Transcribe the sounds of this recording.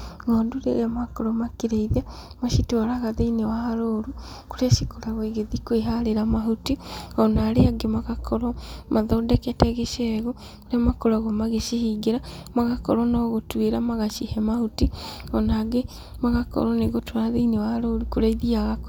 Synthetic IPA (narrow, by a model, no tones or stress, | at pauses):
ɣɔːnduɾḛjamakoɾɔmakiɾeiða | maʃitwaɾaɣaðeinewahaɾoɾu | koɾaʃikoɾaɣweɣeðikweɦaɾeɾamaɦutiɔnaːɾeaɡemaɣakʰɔɾɔmʔaðɔdɛkɛtɛɣeʃɛɣo | koɾamakoɾaɣomaɣeʃihiɡeɾamaɣakɔ̰ɾɔnɔɣotweɾamaɣaʃihɛmahutiɔnaɡe | maɣakɔ̰ɾɔneɣotwaɾaðeinewahaɾoɾukoɾaiðiaɣak